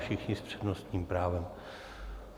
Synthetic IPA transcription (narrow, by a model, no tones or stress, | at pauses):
ʃɪxɲɪspr̝̥ɛdno̞st̪ɲiːmpɾaːvɛm